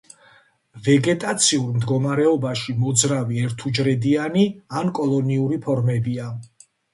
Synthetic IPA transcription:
vɛɡɛt̪ʼat̪sʰiuɾmd̪ɡɔmaɾɛɔbaʃimɔd̪zɾaviɛɾt̪ʰud͡ʒɾɛd̪ianiankʼɔlˠɔniuɾipʰɔɾmɛbia

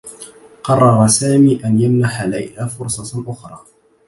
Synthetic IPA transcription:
qɑrˤːɑɾˤɑsaːmiːʔanjamnaħala̰jhaːfʊɾsˤɑʔʊxɾˤɑː

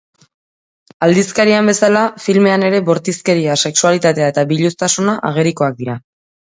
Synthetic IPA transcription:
ald̪iskaɾiambe̞salafilme̞ane̞ɾe̞bo̞ɾt̪iske̞ɾiase̞ksualit̪at̪e̞ae̞t̪abiʎust̪asunaʔaɣ̞eɾiko̞ak̚d̪iɾa

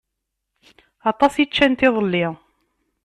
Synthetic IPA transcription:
ɑt̪ˤɑsit͡ʃːænt̪ɪðˤəlːɪ

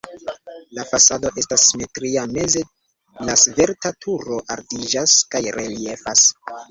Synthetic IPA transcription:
lafasado̞ʔe̞stasːime̞tɾiame̞ze̞ | lasve̞ɾtatʰuɾo̞ʔaɾdid͡ʒaskajɾe̞lie̞fas

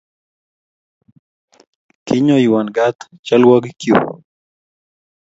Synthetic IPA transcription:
kiɲoiwanɡat̪t͡ʃalwakikjṵ

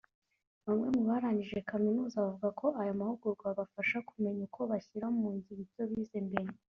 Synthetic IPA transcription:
βamŋe̞muβaɾaːɲiʒe̞kaminuːzaβavuɡakʰo̞ʔajomahuɡuɾɡwaβafaʃakume̞ɲukʰo̞βaçiɾaoumuːɲɟiβiɾco̞βiːzembe̞ɾe

